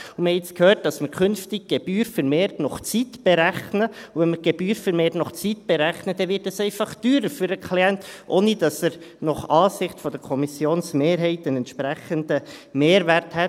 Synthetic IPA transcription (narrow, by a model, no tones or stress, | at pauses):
uməhɛɪt͡skʰhøːt̚d̥ɑsməɾkʰʏnftɪɡ̥̚ɡ̥eb̥yːɾfəɾmeːɾtnɔχt͡sitb̥eɾæχnəuvɛnməɾɡ̥ebyːɾfəɾmeːtnɔχt͡sitb̥eɾæχnəd̥̪ɛʋɪtɑsɛɪfɑχd̥yːɾəɾfyɾəkʰliɛntʔoːnid̥ɑsəɾnɔχɑːsɪχtfɔd̥əɾkʰɔmisjoːnsmeːɾɦɛɪtənɛntʃpɾæχənd̥əmeːɾʋæɾthɛt